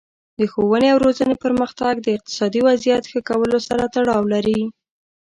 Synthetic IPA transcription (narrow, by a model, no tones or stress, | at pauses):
d̪əxowəneawɾozənepəɾməxt̪aɡ̚d̪əɪq̚t̪ɪ̥sɑd̪iwazijat̪xəkawəlosaɾat̪aɽɑwlaɾi